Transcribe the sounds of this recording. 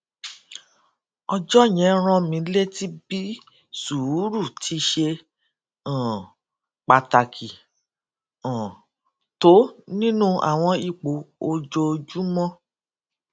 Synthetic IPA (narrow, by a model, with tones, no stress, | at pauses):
ɔ˧d͡ʒɔ˦j̃ɛ̃˨˦ɾ̃ɔ̃˧mĩ˧˦le˦ti˦bi˦ | su˨˦ɾu˦˨tʰi˨˧˦ʃe˧ | ã˨ | k͡pa˨ta˨kʰi˨ | ɔ̃˨ | to˨˦nĩ˦nũ˦ʔa̰˨w̃ɔ̃˧i˧˨k͡po˨˦o˧d͡ʒo˧d͡ʒu˦mɔ̃˦